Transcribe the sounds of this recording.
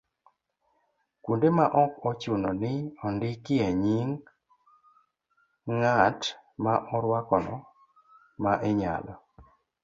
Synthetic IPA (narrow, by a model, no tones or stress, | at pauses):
kundemaʔɔkɔt͡ʃunɔnɪɔndɪkɪeɲiŋ | ŋatmaʔɔɾwakɔnɔ̰ | maʔeɲa̰lɔ